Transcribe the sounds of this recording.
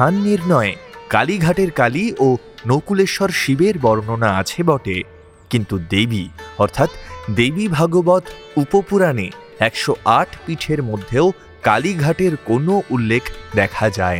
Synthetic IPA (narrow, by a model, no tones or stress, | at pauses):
anːiɾnɔekaliɡʱaʈeɾkalio | nokuleʃɔɾʃibeɾbɔɾononaat͡ɕʰebɔʈḛ | kint̪ud̪ebiɔɾt̪ʰat̪d̪ebibʱaɡobɔt̪ | upopuɾane | ɛkʃoʔaʈʰpiʈʰeɾmod̪ʱːeo | ka̰liɡʱaʈeɾkonoʔulːekʰd̪ɛkʰad͡ʑae